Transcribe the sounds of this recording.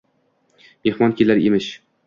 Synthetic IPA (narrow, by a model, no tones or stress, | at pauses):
mehmɒnkʲʰelaɾemɪʃ